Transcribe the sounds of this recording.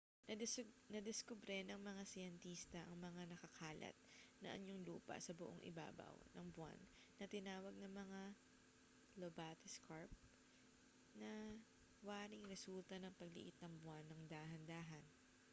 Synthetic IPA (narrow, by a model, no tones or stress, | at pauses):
nɐ | nɐd̪ɛskʊbɾɛnɐŋmɐŋasɪjɐnt̪iːst̪ɐʔɐŋmɐŋanɐkɐkʰaːlɐ̰t̪̚nɐ̰ʔɐ̰ɲoŋluːpɐ̰sɐbʊʔoŋʔɪ̰ba̰ːbɐ̰wnɐ̰ŋbʊwa̰nː | ɐt̪ɪnaːwɐɡ̚nɐŋmɐŋa | lobaːt̪ɪskaɹp̚ | nɐ | waːɾɪŋɾɛsult̪ɐnɐŋpɐɡlɪ̰ʔɪt̪̚nɐŋbwanːɐŋd̪aːɦɐnd̪aːɦɐn